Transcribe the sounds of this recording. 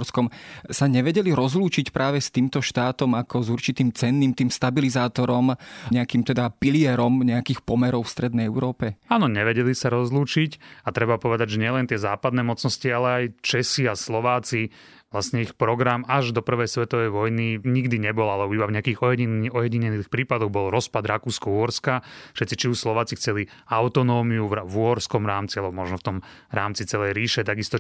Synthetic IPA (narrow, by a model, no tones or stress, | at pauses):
ɾskɔmsaɲɛʋɛɟɛliɾɔzluːt͡ʃicpɾʔaːʋɛst̪iːmt̪ɔʃt̪aːt̪ɔmakɔzuɾt͡ʃit̪iːmt͡sɛnːiːmt̪iːmst̪abilizaːt̪ɔɾɔmɲɛakiːmt̪ɛd̪apilɪɛɾɔmɲɛakiːxpɔmɛɾɔʊfst̪ɾɛd̪nɛjɛʊɾɔːpɛaːnɔɲɛʋɛɟɛlisaɾɔzluːt͡ʃicat̪ɾɛbapɔʋɛd̪aɟʒɛɲɪɛlɛnt̪ɪɛzaːpad̪nɛːmɔt͡snɔscialɛajt͡ʃɛsiaslɔʋaːt͡si | ʋlasɲɛixpɾɔɡɾamaʒd̪ɔpr̩ʋɛjsʋɛt̪ɔʋɛjʋɔjniɲiɡd̪iɲɛbɔlalɛbɔibavɲɛakiːɣɔɛinɔjɛɟiɲɛnixpɾiːpad̪ɔɣbɔlɾɔspad̪ɾakuːskɔʋʊɔɾskafʃɛt̪t͡sit͡ʃiuslˠɔʋaːt͡sixt͡sɛli | aʊt̪ɔnɔːmiuvʋʊɔɾskɔmɾaːmt͡sialɛbɔmɔʒnɔft̪ɔmɾaːmt͡sit͡sɛlɛjɾiːʃɛt̪aɡist̪ɔ